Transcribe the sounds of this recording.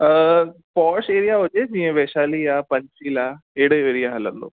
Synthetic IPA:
əpɔːɾseːɾijaɦoːd͡ʒed͡ʒĩːẽʋeːʃaːliapəɲt͡ʃiːlaːeːɽəeːɾijaɦɐlə̰̃nd̪o̰ː

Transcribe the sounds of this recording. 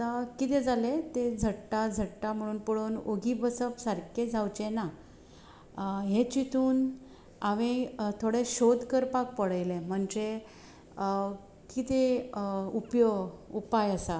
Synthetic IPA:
t̪akit̪ẽd͡zalet̪ed͡zʱəɽʈad͡zʱəɽʈam̤əɽ̃uːnpəɽuːnoɡibəsəpsəɾked͡zʱawt͡ɕena | ɦet͡ɕit̪ʰuːn | aʋẽt̪ʰoɽeɕod̪kəɾpak̚pəɽəjlẽm̤əɳd͡ʑe | kit̪e | upjoɡupajəsa

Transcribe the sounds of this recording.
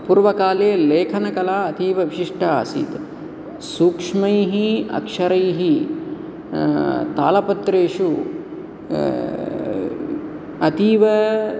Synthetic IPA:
puːɾʋɐkaːleːleːkʰɐnɐkɐlaːɐt̪iːʋɐʋiʃiʂʈʰɐ̰ːsḭːt̪ | suːkʂmɐjɦiɐ̰kʂɐɾɐjɦi | t̪a̰ːlɐpɐt̪ɾeːʂu | ɐt̪iːʋɐ

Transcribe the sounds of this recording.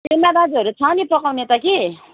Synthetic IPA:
senːabad͡zɦʌɾut͡sʰaniprʌkawnet̪ʌki

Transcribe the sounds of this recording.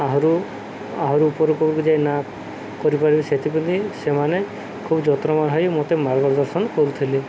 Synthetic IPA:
aɦɔɾu | aɦɔɾuːpɔɾekobuɾkud͡ʒajna | kɔɾipaɾibeset̪ʰipund̪isemane | kʰubd͡ʒɔt̪ɾɔmaɾɦɔjmot̪emaɾɡɔɾd̪ɔɾsɔnkɔɾut̪ʰili

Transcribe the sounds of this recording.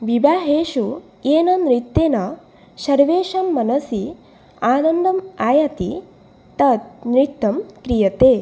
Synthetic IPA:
ʋibaːɦeːʃu | eːnɐnɾit̪ːeːnɐ | ʃɐɾʋeːʃɐmːɐnɐsi | aːnɐnd̪ɐmaːjɐt̪i | t̪ɐt̪̚nɾit̪ːɐmkɾijɐt̪eː

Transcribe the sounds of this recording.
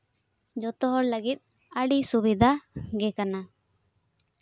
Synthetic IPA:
d͡ʒɔt̪ɔɦɔɽləɡit̪̚ˀ | əɽisubid̪ʱaɡɛkana

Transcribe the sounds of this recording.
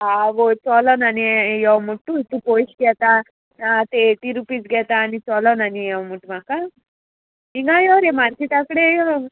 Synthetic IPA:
aʋot͡ʃɔlananijɔwmuʈːuit̪ːuposɡɛt̪aː | t̪eeʈiɾupid͡ʒɡɛt̪aːnit͡ʃɔlɔnanijamuʈːumaka | iŋɡajoɾemaɾkiʈakɽejo

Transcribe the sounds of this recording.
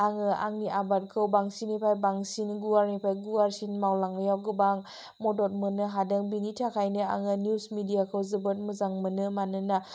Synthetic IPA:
aŋɯaŋniʔabat̚kʰɯwbaŋsinipʰajbaŋsinɡuaɾnipʰajɡuaɾsinmawlaŋljawɡɯbaŋ | mɔdɔt̚mɯnɯɦadɯŋbinitʰakʰajnɯa̰ŋɯnjusmidijakʰɯwzɯbɯt̚mɯzaŋmɯnɯmanɯna

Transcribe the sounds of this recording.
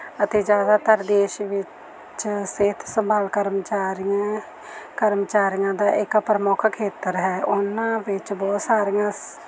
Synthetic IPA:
ət̪eːd͡ʒjaːd̪aːt̪əɾd̪eːʃʋɪ | t͡ʃseːt̪ʰsəmbaːlkəɾmt͡ʃaːɾija | kəɾmt͡ʃaːɾijãːd̪aːʔɪkpɾəmʊːkʰkʰeːt̪əɾɦɛːʔʊnãːʋɪt͡ʃbɔːt̪saːɾijãː

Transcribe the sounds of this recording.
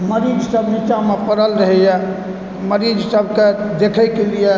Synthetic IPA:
məɾid͡ʒsəbnit͡ʃamepəɾəlɾəɦɛjɛ | məɾid͡ʒsəbʱked̪ekʰəjkelije

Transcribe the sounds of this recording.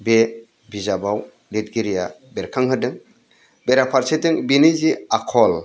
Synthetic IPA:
be | bizabaw | lit̚ɡiɾijabeɾkʰaŋɦɯdɯŋ | beɾapʰaɾsedɯŋbiniziakʰɔl

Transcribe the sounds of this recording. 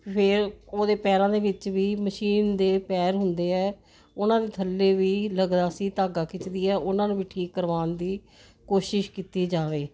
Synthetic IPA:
pʰɪɾoːd̪eːpɛːɾãːd̪eːʋɪt͡ʃʋiːməʃiːnd̪eːpɛːɾɦʊnd̪eːɛː | ʊnãːd̪eːt̪ʰəlːeːʋiːləɡd̪aːsĩːt̪aːɡaːkɪt͡ʃd̪iːɛːʔʊnãːnũːʋiːʈʰiːkːəɾʋaːnd̪iː | koːʃɪʃkiːt̪iːd͡ʒaːʋeː

